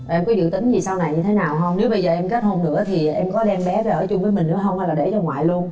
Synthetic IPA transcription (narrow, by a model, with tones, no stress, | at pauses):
ʔɛ˧mkɔ˨˦zɨ̰˧˨t̪ï˨˦ŋ̟zi˨˩saː˧wna˨˩jɲɨ˧t̪ʰe˨˦naː˨˩wɦə˧wŋ͡mne˨˦wɓə˧jzəː˨˩ʔɛ˧mke˦˥t̚ho˧nnɨ̰˧˥ət̪ʰi˨˩˨ʔɛ˧mkɔ˨˦ɗɛ˧mɓɛ˨˦vɛ˨˧˦ʔəː˧˩t͡ɕʊ˧ŋ͡mvəː˨˦jmï˨˩ŋ̟nɨ̰˧˥˦ɦə˧wŋ͡mha˧jlaː˨˩ɗe˧˩t͡ɕɔ˧ŋwa̰ː˧˨jlu˧ən